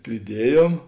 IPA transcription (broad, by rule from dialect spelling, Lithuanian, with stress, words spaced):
pʲrʲɪˈdʲiɛjoːm